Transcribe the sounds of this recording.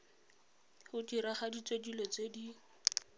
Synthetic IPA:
hʊdiɾaχadit͡sʼedilɔt͡sedi

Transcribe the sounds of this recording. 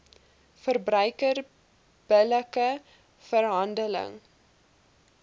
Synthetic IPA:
fərbrœɥkər | b̥ələkə | fərɦɐndələ̰ŋ

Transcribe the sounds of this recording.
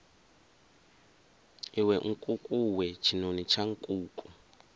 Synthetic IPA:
iwɛŋ̩kʼukʼuwɛt͡ʃʰinonit͡ʃʰaŋ̩kʼuːkʼu

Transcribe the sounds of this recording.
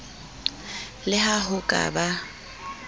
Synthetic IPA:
lɪɦahʊkʼa̰ba

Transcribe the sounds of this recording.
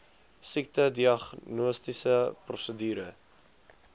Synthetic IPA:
sik̚tədiɐχnuəstisəprɔsədyːɾə

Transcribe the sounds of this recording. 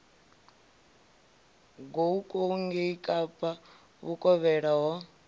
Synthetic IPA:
ɡoukʼoŋɡeikʼapʰʼa | βukʼɔβɛɺaɦɔ

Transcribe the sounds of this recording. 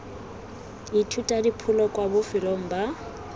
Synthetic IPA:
itʰutʼadipʰʊlɔkʼwabʊfɪlɔŋ̩ba

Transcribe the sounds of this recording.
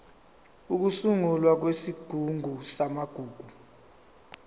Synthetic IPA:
uk̬usuŋulwak̬wesiɡ̥ʱuŋʱusamaɡ̥ʱuːɡ̥ʱu

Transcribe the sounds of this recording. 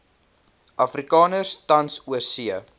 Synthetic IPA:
ʔɐfrikɑːnərstɐnsuəsiə

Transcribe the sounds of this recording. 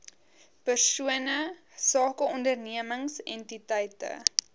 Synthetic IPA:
pərsuənə | sɑːkəɔndərniəməŋsɛntitɛjtə̰

